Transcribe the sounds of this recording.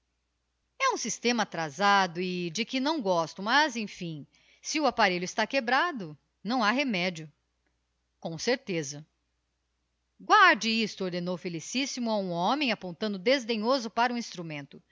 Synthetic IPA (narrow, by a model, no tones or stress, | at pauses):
ɛũsist̪ẽmɐat̪ɾazad̪ʊɪd͡ʒɪkɪnɐ̃w̃ɡɔst̪ʊmɐzẽj̃fĩ | sɪʊapaɾeʎʊɪst̪akebɾad̪ʊ | nɐ̃w̃aɦemɛd͡ʒiʊ | kõseɾt̪ezɐ | ɡwaɾd͡ʒɪist̪ʊoɾd̪enowfelisisimʊaũɔ̃mẽj̃apõnt̪ɐ̃nd̪ʊd̪ezd̪ẽɲozʊpaɾɐũĩst̪ɾumẽnt̪ʊ